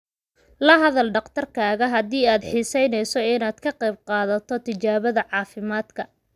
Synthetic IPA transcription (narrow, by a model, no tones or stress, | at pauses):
lɐɦɐðɐlɖɑqt̪ʰɐrkʰaːɣɐɦɐd̪iːaːd̪ħiːsɛjnɛjsɔɪnaːd̪kʰɐqɛjb̚qɑːðɐt̪ʰɔt̪ʰɪt͡ʃaːβɐðɐʕɑːfɪmaːd̪kʰɐ